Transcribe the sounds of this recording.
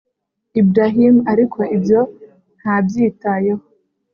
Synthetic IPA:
ibɾaɦimaɾikʰo̞ʔibjo̞ | n̥habjiːtajeho

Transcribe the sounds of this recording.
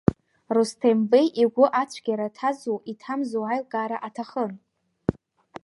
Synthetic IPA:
rustʰembejʔiɡʷʊʔat͡ɕʷʰɡʲaɾatʰazowʔitʰamzowʕajlɡʼaːɾaʔatʰaχən

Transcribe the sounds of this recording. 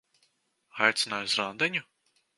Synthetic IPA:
ajt̪sɨnajzɾand̪ɛnʲu

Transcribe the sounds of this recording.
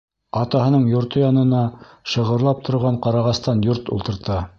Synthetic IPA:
ɑt̪ɑhɤ̆nɤɴjŏɾt̪ojɑnɤ̆nɑ | ʃɤ̆ʁɤ̆ɾlˠɑp̚t̪ʰŏɾʁɑɴqɑɾɑʁɑst̪ɑnjoɾt̪ṵlˠt̪ɤ̆ɾt̪ɑ

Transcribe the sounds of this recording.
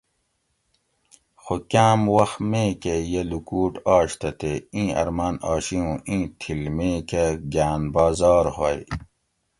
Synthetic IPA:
xokaːmwɐxmẽːkejelukuːʈɑːɕt̪ʰɐt̪eĩːɐ̰ɾmaːnɑːɕiũːʔĩːt̪ʰilmẽːkeɡaːnbaːzɑːɾhoj

